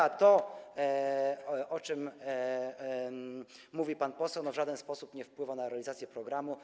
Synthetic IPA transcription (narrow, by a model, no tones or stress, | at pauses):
at̪ɔ | ʔɔt͡ʂɘm | muvʲipanpɔsɛwnɔvʐad̪ɛnspɔsupɲɛfpwɘvanaɾɛalʲizat̪sʲjɛpɾɔɡɾamu